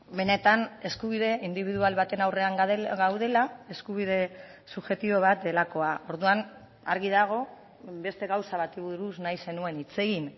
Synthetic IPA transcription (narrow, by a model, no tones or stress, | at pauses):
be̞ne̞t̪ane̞skuβiðe̞ind̪iβiðualβat̪e̞nawre̞aŋɡðeɣawðe̞lae̞skuβ̞iðe̞ | suʝe̞t̪iβo̞β̞at̪̚d̪e̞lako̞aʔo̞ɾðuan | a̰ɾɣiðaɣ̞o̞ | be̞st̪e̞ɣawsaβat̪iβuɾusnajse̞nue̞nit͡se̞ɣin